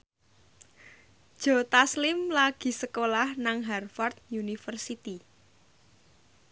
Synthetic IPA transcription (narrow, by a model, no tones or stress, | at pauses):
d̥ʒ̥ɔ̤t̪aslɪmlaɡ̥i̤səkolahnaŋɦɛrfart̪̚junifərsit̪i